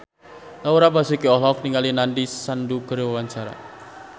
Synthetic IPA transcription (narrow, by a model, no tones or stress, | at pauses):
t̪auɾapasukiɔlɔk̚niŋalinandisanduɡəɾewawaɲt͡ʃaɾa̰